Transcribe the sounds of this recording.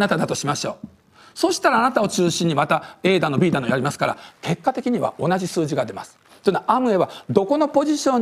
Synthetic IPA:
nat̪ad̪at̪o̞ɕimaɕo̞ː | so̞ːɕi̥t̪aɾaːnat̪ao̞t͡ɕɨːɕĩɲ̟ːimat̪ae̞ːd̪ano̞bʲiːd̪anojaɾʲimasɨ̥kaɾa̰ke̞kːat̪e̞kʲiɲ̟iβa̰o̞naʑisɨːʑiɡad̪e̞masɨ̥ | t̪ːoinaʔamɯ̟e̞βad̪o̞ko̞no̞po̞ʑiɕõ̞ɲ

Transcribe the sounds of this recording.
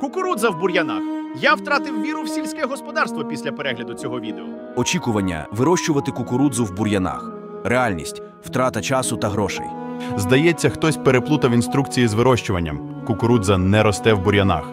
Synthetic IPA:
kʊkʊɾud̪zɐwbʊɾʲjɐnaxjawt̪ɾɑt̪ɪwmʲiɾʊwsʲilʲsʲkɛɛɦɔspɔd̪ɑrst̪ʋɔpʲisʲlʲɐpeɾɛɦlʲɐd̪ʊt͡sʲɔɦɔʋʲid̪eɔ | ɔt͡ʃʲikʊʋɐnʲːɐ̰ʋɪɾɔʃt͡ʃʊʋɐt̪ɪkʊkʊɾud̪zʊwbʊɾʲjɐna̰x | realʲnʲḭsʲtʲ | w̥t̪ɾɑt̪ɐt͡ʃɑsʊt̪ɐɦɾɔʃɛ̰j | zd̪ɐjɛt͡sʲːɐxt̪ɔsʲpeɾeplˠut̪ɐʋinst̪ɾuk̚t͡sʲijizʋɪɾɔʃt͡ʃʊʋɐnʲːɐ̰m | kʊkʊɾud̪zɐnɛɾɔst̪ɛwbʊɾʲjɐna̰x

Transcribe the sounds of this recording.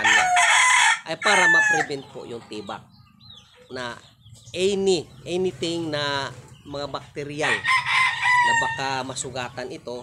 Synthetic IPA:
an | ʔɐjpaːɾɐmɐpɾɛbɛnt̪̚po̰jʊŋt̪iːba̰k̚ | na | ʔɛnɪʔɛnɪt̪ɪŋnɐmɐŋabak̚t̪ɛɾɪjal | ɐjbɐkamɐsʊɡaːt̪anɪt̪o̞

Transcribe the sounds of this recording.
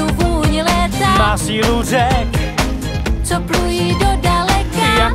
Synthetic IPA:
uvuɲɪlɛsamaːsiːluzɛk | t͡soplujiːdodalɛkaja

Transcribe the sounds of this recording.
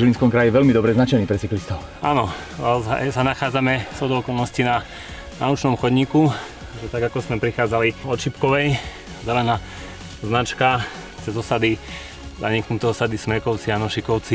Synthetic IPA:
ʒilinskɔmkɾajiɛʋɛʎmid̪ɔbɾɛznat͡ʃɛniːpɾɛt͡siklist̪ɔʊ | a̰nɔ | z̰sanaxaːd͡zamɛsɔd̪ɔɔkɔlˠnɔscina | na̰ut͡ʃnɔmxɔd̪ɲiku | aʒɛt̪aɡakɔzmɛpɾixaːd͡zaliɔt̪ʃipkɔʋɛj | zɛlɛnaː | znat͡ʃka | t͡sɛzɔsad̪i | za̰ɲiknut̪ɛɔsad̪ismɛkɔʊt͡sianɔʃikɔʊt͡si

